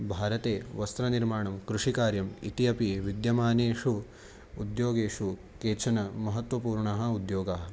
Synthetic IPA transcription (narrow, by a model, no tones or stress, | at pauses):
bʱaːɾɐt̪eːʋɐst̪ɾɐniɾmaːɳɐmkɾuʂikaːɾjɐmḭt̪ijɐpiʋid̪jɐmaːneːʂuː | d̪joːɡeːʂu | keːt͡ʃʰɐnɐmɐɦɐt̪ʋɐpuːɾɳɐɦɐ̆ud̪joːɡaɦɐ